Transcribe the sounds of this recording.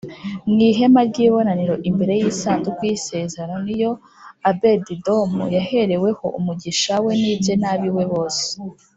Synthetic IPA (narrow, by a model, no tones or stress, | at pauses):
nɡiːɦe̞maɾɟiːβo̞naniɾo̞ʔimbe̞ɾe̞jiːsaːnzukwise̞ːzeɾano̞nijo̞ | abe̞dido̞mujahe̞ɾe̞we̞ho̞̰ʔumuɟiʃawe̞niːbzenaːβiwe̞βo̞ːse̥